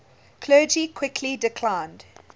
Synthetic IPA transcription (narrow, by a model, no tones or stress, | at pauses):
kʰlɜːd͡ʒikʰw̥ɪkʰlidɪkʰl̥ãɪ̃nd̥